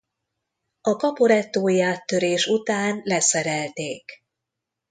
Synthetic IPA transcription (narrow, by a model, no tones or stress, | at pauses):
ɒkɒpo̞ɾɛt̪ːoːjaːt̪ːø̞ɾeːʃut̪aːnlɛsɛɾɛlt̪eːk